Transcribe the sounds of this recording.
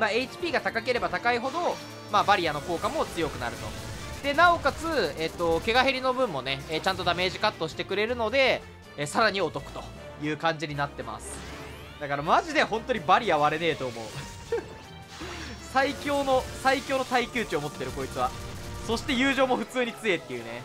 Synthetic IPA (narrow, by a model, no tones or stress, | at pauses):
ɾae̞it͡ɕi̥pʲiːɡat̪akake̞ɾe̞bat̪akaiɦo̞d̪o̞ | mabaɾʲiano̞ko̞ːkamo̞t͡sɨjo̞kɯ̟naɾɯ̟t̪o̞̰ | d̪̥e̞nao̞kat͡sɨet̪ːo̞ke̞ɡaɦeɾʲino̞bɯ̟̃mːo̞ne̞ːt͡ɕãnt̪o̞d̪ame̞ːʑikat̪ːo̞ɕi̥t̪e̞kɯ̟ɾe̞ɾɯ̟no̞d̪e̞ | saɾaɲ̟io̞t̪o̞kɯ̟̥t̪o̞̥ | jɯ̟ːkãɲ̟d͡ʑiɲ̟inat̪ːe̞ma̰sɨ̥ | d̪̥akaɾamaʑid̪e̞ɦõ̞nt̪o̞ɲ̟ibaɾʲiaβaɾe̞ne̞ːt̪o̞ːmo̞ɯ | saikʲo̞ːno̞saikʲo̞ːnot̪aikʲɨːt͡ɕio̞mo̞t̪ːe̞ɾɯ̟ko̞it͡sɨβaso̞ɕi̥t̪e̞jɯ̟ːʑo̞ːmo̞ɸɯ̟t͡sɨːɲ̟it͡sɨe̞t̪ːe̞jɯ̟ːne̞